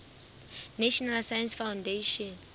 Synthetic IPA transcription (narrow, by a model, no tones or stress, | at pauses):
naʃɔnalsajansfawndeʃɔn